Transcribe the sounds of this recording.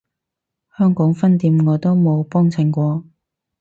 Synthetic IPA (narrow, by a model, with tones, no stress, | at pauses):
hœː˥ŋkɔː˨˥ŋfɐ˥nt̪iː˨˧mŋɔː˨˧t̪o˥wmo˨˧wpɔː˥ŋt͡sʰɪ˨˩ŋkʷɔː˧